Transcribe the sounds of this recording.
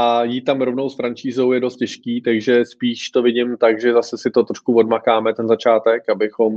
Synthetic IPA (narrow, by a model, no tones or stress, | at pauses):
ʔajiːt̪amɾovnowsfɾant͡ʃiːzowjɛdost̪̚cɛʃkiːt̪aɡʒɛspiːʃt̪o̞vɪɟɪmt̪aɡʒɛzasɛsɪt̪ot̪ɾoʃkuvo̞dmakaːmɛt̪ɛnzat͡ʃaːt̪ɛkabɪxo̞m